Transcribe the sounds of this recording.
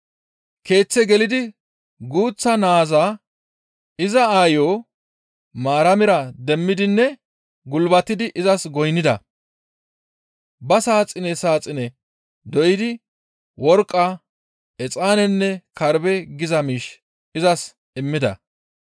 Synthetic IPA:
ke̞ːt͡sːɛɡɛlɪd̪ɪ | ɡuːt͡sːɐnaːzaː | ɪzɐaːjoː | maːɾɐmɪɾɐd̪ɛmːɪd̪ɪnːɛ | ɡʊlbɐt̪ːɪd̪ɪʔɪzɐsɡɔjnːɪd̪ɐ̰ | bɐsaːt͡sʼːɪnɛsaːt͡sʼːɪnɛ | d̪ɔʔɪd̪ɪ | wɔɾkʼːa | ɛt͡sʼaːnɛnːɛkɐɾbɛɡɪzɐmiːʃ | ɪzɐs | ɪmːɪd̪ɐ̰

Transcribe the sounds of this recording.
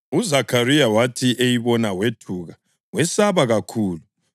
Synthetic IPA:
uzakʰarijawatʰiʔejiβɔnawetʰuɣa | wɛsaβaɣakʰuːlu

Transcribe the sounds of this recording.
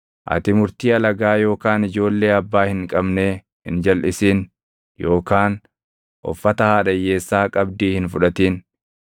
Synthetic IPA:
ʔɐ̰t̪ɪmʊɾt̪iːɐlɐɡaːjo̞ːkaːnɪd͡ʒo̞ːlːe̞ːɐbːaːhɪŋkʼɐbneː | hɪnd͡ʒɐlʔɪsiːn | jo̞ːkaːn | ʔɔ̰fːɐt̪ɐhaːᶑɐjːe̞ːsːaːkʼɐbd̪iːhɪnfʊᶑɐt̪iːn

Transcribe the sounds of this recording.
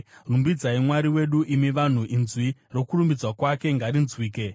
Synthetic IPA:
rumbid͡zaimwaɾiwe̞ɗuʔimiʋan̤uʔinzwiro̞kurumbid͡zwakwake̞ŋɡaɾinzwiːke̞

